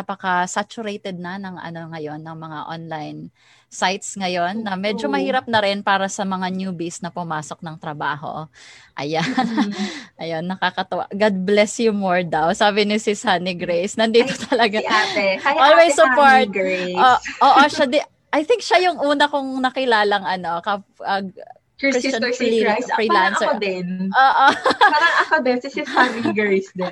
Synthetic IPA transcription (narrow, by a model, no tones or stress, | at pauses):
ɐpɐkɐsat͡ʃʊɾejt̪ɛd̪̚nɐnɐŋʔɐ̰no̞ŋɐjo̞nːɐŋmɐŋaʔonlajn | sajt̪sŋɐjo̞nːɐmɛd͡ʒomɐhiːɾɐp̚nɐɾɪnpaːɾɐsɐmɐŋanjuːbisnɐpʊmaːso̞k̚nɐŋt̪ɾɐbaːɦo̞̰ʔɐ̰ja | ʔɐjo̞nːɐkakɐt̪ʊʔa̰ɡad̪̚blɛsjumoɹd̪awsaːbɪnɪsɪsaniɡɾejsnɐnd̪iːt̪ot̪ʰɐlɐɡaajolwejssʊpoɹt̪̚ɡoʔoːʔoʃɐd̪ɛ | ʔɐjθɪŋk̚ʃɐjʊŋʔuːnɐkʊŋnɐkɪlaːlɐŋɐno̞kɐʔɐ | ɾist͡ʃɐnifɹiːlansod̪ɪnʔoːʔopaɾɐŋɐkod̪ɛnsɪsɪsamiiɡsd̪ɛn